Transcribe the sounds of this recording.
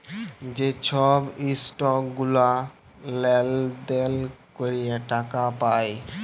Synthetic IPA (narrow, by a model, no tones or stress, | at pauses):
d͡ʑet͡ɕʰɔbisʈɔkɡula | leld̪elkoɾijeʈakapaj